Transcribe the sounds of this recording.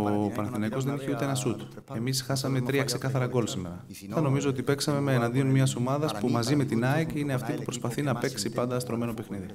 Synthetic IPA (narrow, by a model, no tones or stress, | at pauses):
opɐnɐθinɐjko̞zðe̞niçeut̪e̞enɐsut̪ | e̞misxɐsɐme̞t̪ɾiɐkse̞kɐθɐɾɐɡo̞lsime̞̰ɾɐ | θɐno̞mizoot̪ipe̞ksɐme̞meːnɐnd̪io̞nmiɐsomɐðɐspumɐzime̞t̪inɐiceine̞ɐft̪ipupɾospɐθinɐpe̞ksipɐnd̪ɐst̪ɾo̞me̞no̞pe̞xniði